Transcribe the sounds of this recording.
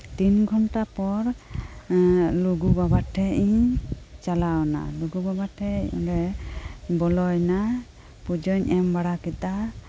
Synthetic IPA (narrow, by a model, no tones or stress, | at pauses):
t̪inɡʱɔnʈapɔɾ | luɡubabaʈʰɛʔiɲt͡ʃalawna̰luɡubabaʈʰɛ̰ɾɛ | bɔlɔjna | pud͡ʒɔɲʔɛmbaɽakɛt̪a